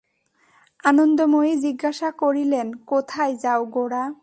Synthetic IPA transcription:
anond̪omoed͡ʑiɡːaʃakoɾilenkot̪ʰajd͡ʑaoɡoɽa

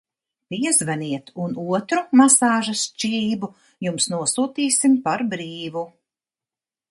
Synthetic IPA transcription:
piɛzvɛniɛt̪unuɔt̪ɾumasaːʒast͡ʃiːbu | jumsnuɔsuːt̪iːsimpaɾbɾiːvu

